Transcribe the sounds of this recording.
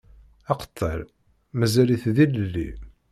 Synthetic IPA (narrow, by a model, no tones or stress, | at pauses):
ɑqə̥t̪ˤːə̰ɾ | məzæliθðiləlːḭ